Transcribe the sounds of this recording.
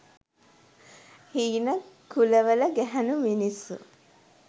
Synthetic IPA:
hiːnəkuləʋələɡæɦænuminisṵ

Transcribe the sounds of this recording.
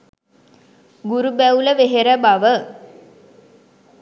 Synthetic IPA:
ɡuɾubæuləʋeɦeɾəbaʋə

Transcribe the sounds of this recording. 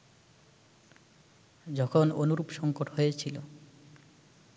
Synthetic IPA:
d͡ʑɔkʰononuɾupʃɔŋkoʈɦoet͡ɕʰilo

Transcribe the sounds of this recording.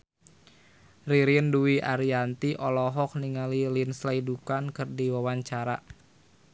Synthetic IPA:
riɾiənduwiʔaɾiant̪iʔɔlɔɦɔk̚niŋalilinslaidukankɨrdiwawaɲt͡ʃaɾa

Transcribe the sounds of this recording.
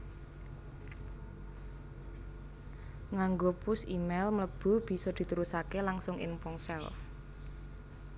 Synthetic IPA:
ŋaŋɡopʊsimɛlmləb̥ṳb̥i̤sɔd̪̥i̤t̪uɾusakelaŋsʊŋʔɪ̰ŋpɔŋsɛl

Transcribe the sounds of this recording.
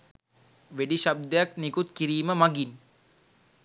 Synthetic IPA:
ʋeɖiʃab̚d̪ejaknikut̪kiɾiːməmaɡin

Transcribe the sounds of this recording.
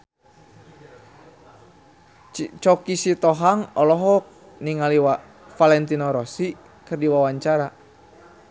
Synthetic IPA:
t͡ʃɔkisit̪ɔɦaŋɔlɔɦɔk̚ | niŋaliwa | falɛnt̪inɔɾɔsi | kɨrdiwawaɲt͡ʃaɾa

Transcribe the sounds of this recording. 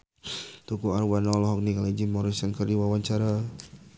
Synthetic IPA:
t̪ukuarwanɔlɔɦɔk̚nikaled͡ʒimɔɾisɛŋkərdiwawaɲt͡ʃaɾa

